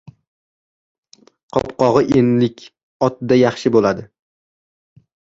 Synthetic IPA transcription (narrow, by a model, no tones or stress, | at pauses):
qʰɒpqɒʁɨʔenlɪkʲ | ɒt̪̚d̪ajɑχʃɪbolad̪ɪ